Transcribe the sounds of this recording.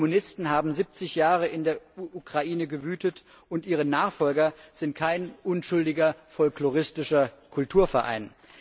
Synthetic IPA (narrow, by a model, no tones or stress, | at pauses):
munɪstn̩ɦaːbm̩zip̚t͡sɪçjaːʁ̞əʔɪndeːɐukʁ̥aʔiːnəɡəvyːtət | ʔʊntʔiːʁ̞ənaːχfɔlɡɐz̥ɪntkʰaɪnʔʊnʃʊldɪɡɐfɔlkloʁɪstɪʃɐkʰʊltʰuːɐfɛɐʔa̰ɪn